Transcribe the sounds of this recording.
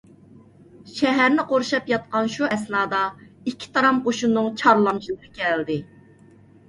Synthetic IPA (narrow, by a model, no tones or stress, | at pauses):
ʃɛɦæɾnɪqoɾʃɑpjɑt̪̚qɑnʃuɛsnɑːd̪ɑikʲʰːi̥t̪ʰɑɾɑmoʃunːɨŋt͡ʃʰɑɾlˠɑmʃilˠɨɾɨkʲɛld̪ɪ